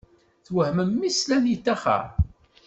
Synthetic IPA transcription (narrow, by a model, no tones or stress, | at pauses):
θwəhməmːislænjit̪ːæχə̰ɾˤ